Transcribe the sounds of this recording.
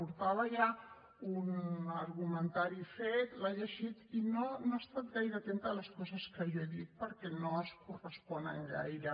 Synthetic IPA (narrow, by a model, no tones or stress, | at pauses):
uɾt̪aβəʎa | unəɾɣumənt̪aɾifet̪laʎəʒit̪inonoast̪at̪̚ɣajɾəːt̪ent̪ələskɔzəskəʒɔeðit̪̚pəɾkɛnoəskurəspɔnə̰ŋɡa̰jɾə